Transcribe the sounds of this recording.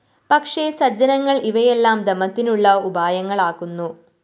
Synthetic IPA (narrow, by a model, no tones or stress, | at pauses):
pɐkʂesɐd͡ʑɐnɐŋːɐɭiʋɐjelːaːmd̪emːɐt̪ːinuɭːɐubaːjɐŋːɐɭaːkːunːu